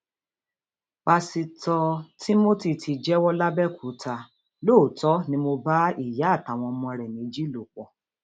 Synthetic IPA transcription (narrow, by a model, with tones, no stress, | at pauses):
k͡pa˧si˧tɔ˧ti˦mo˦ti˦˨tʰi˧d͡ʒɛ˦wɔ˦la˦bɛ˦˨kʰu˨˦tʰa˧ | lo˦˨tɔ˦nĩ˦mo˧ba˦i˦˨ja˨˦˨ta˨w̃ɔ̃˧ɔ˧mũ˧ɛ˧ɾɛ˨nĩ˨˦d͡ʒi˦lo˨k͡pɔ˧˨